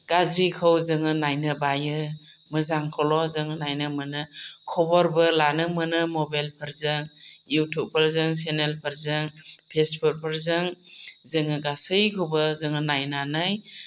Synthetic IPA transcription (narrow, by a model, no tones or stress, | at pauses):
ɡ̥azikʰɯwzɯŋɯnajnɯbajɯmɯzaŋkʰɔlɔzɯŋɯnajnɯmɯnɯkʰɔbɔɾbɯlanɯmɯnɯmobajlpʰɯɾzɯŋjutʰup̚pʰːaɾzɯŋs̬enelpʰɯɾzɯŋpʰesbut̚pʰɯɾzɯŋzɯŋɯɡasɯjkʰɯwbɯzɯŋɯnajnanɯj